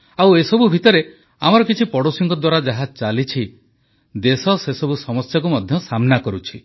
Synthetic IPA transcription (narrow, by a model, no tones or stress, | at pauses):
awesɔbubʱit̪ɔɾe | amɔɾɔkit͡ʃʰipɔɽosiŋkɔd̪waɾad͡ʒaɦad͡ʒt͡ʃalit͡ʃʰi | d̪esɔsesɔbusɔmɔsjak̬umɔd̪ʱjɔsamnakɔɾut͡ʃʰi